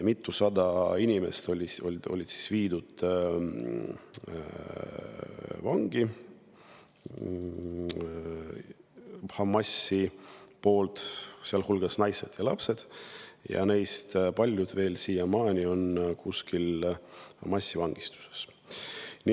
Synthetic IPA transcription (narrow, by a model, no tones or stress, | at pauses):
mit̪ːˑusɑd̪̥ɑinʲime̞̰st̪olʲioo̞̰lʲid̪si̥sviːd̪ud̪̥ | vɑŋɡ̥i | hɑmːɑsipo̞ːlt̪seɑlhulɡ̥ɑsnɑjse̞d̪̥jɑlɑpse̞d̪̥jɑ̰ne̞jst̪pɑlʲjud̪̥ve̞ːlsiːjɑmɑːnʲio̞nkuskʰilhɑ̰mːɑsʲːivɑŋɡ̥ist̪u̥se̥s | nʲi